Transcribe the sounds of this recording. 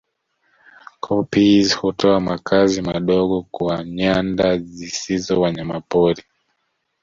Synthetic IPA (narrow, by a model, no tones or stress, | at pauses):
kʰɔpizhutɔamakʰazimaɗɔɠɔkuaɲandazisizɔwaɲamapɔɾi